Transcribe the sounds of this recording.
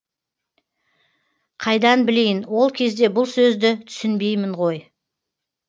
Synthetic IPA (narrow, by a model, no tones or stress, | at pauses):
qʰɑjd̪ɑnbɪle̞jɪnwo̞lˠkʲʰe̞zd̪e̞bʊlˠsɵzd̪ɪt̪ʰʏ̥sɪnbe̞jmɪɴʁo̞j